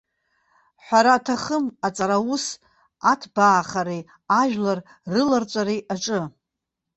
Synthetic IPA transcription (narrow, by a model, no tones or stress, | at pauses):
ħʷᶣaɾatʰaχəmat͡sʼaɾawus | atʰbaːχaɾej | aʒᶣlar | rɨlart͡ʃʷʼaɾejʔaʈ͡ʂʼɨ